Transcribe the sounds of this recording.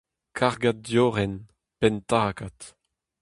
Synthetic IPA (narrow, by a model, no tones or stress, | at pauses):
kʰaʁɡat̚djoːʁɛn | pɛntakat̪